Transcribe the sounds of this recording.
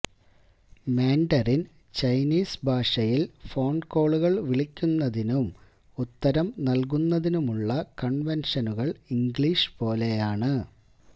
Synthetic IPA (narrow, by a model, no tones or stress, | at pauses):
meːɳɖɐrin | t͡ɕɐjniːsbʱaːʂɐjilfo̞ːɳɖko̞ːɭuɣɐɭʋiɭikʲːunːɐðinum | ut̪ːɐɾɐmnɐlk̬unːɐðinumuɭːɐkɐɳʋenʂɐnuɣɐɭiŋɡɭiːʂpo̞ːle̞jaːɳɨ